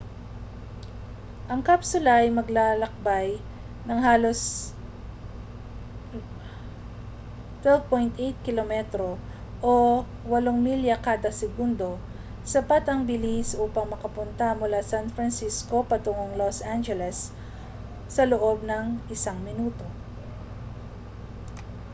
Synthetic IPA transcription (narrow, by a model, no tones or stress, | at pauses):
ʔɐŋkapsʊlɐʔɐjmɐɡlaːlɐk̚baj | nɐŋhaːlo̞s | t̪wɛlvpojnt̪ʔejt̪̚kɪlomɛt̪ɾo̞ | ʔo | wɐloŋmiljɐkaːd̪ɐsɛɡund̪o̞ | sɐpat̪ɐŋbɪlisuːpɐŋmɐkɐpʊnt̪ɐmʊlasanfɾɐnsisko̞pɐt̪ʊŋoŋlosʔand͡ʒɛlɛsː | ɐloʔo̞b̚nɐŋʔɪsaŋmɪnuːt̪o̞